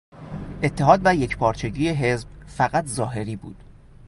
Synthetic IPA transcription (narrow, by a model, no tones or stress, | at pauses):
ʔe̞t̪ʰːe̞ɦɒːd̪væje̞cpʰɒːɾt͡ʃʰe̞ɟiːjeɦe̞zb̥fæɣæt̪ʰzɒːɦe̞ɾiːbṵːd̪̥